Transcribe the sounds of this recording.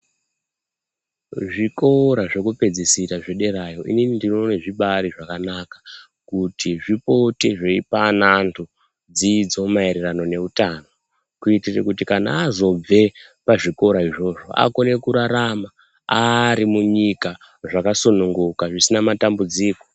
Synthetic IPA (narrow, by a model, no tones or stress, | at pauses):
ʐiko̞ɾaʐe̞kupe̞d͡zisitaʐeɗe̞ɾajo̞ʔininindino̞ne̞ʐiɓaɾiʐakanakḁ | kutʰiʐipo̞tiʐeipanantʰu | d͡zid͡zo̞maeɾerano̞ne̞utano̞ | kuitirekutikana̰ːzo̞b͡ve̞paʐiko̞ɾaiʐo̞ʐo̞̰ʔa̰ko̞ne̞kuɾaɾama | aɾimuɲika | ʐakasunuŋɡukaʐisinamatambud͡ziːko̞